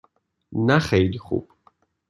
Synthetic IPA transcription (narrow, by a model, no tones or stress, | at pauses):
naχɛiliχṵpʰ